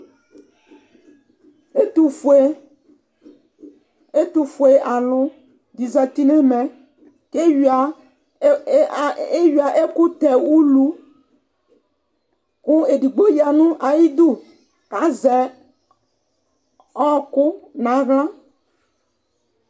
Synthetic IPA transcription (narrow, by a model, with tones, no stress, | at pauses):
e˦t̪u˦ | e˦t̪u˨fo˨e˦ʔa˨lʊ̃˦ | d̪i˨za˨t̪i˦nẽ˦mɛ̃˨ | ke˦˨a˨ | e˦ɥi˨a˨ʔe˦ku˦t̪ɛ˨wu˦lu˦ | ku˦e˨ɖi˨ɡ͡bo˦ja˨nũ˦ʔa˨ji˦d̪u˦ | ka˨˦zɛ˨ | ɔ˦kʊ˦nã˨˦ɣlã˦